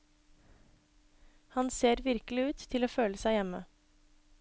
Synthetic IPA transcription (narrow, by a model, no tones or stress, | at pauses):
hɑnseːɾʋɪɾkəl̩ɪʉːt̪ʰːɪloːføːləsæɪjɛmə̰